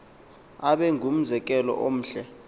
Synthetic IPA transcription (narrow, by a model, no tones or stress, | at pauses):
aɓɛŋɡʱum̩zɛk̬ʼɛlɔ̰ʔom̩ːɬɛ